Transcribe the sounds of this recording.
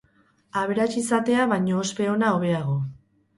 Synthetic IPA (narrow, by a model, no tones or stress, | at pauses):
aβe̞ɾat͡ʃisat̪e̞aβajɲo̞ːspe̞o̞nao̞β̞e̞aɣ̞o̞